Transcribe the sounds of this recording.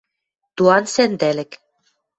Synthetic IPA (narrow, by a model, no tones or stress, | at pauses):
t̪uɑnsend̪ælɘ̆k